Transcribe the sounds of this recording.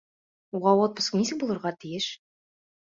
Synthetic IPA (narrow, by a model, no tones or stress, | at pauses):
uʁɑwot̪̚bŏsnisɘk̚bulˠɤ̆ɾʁɑt̪ijɘʃ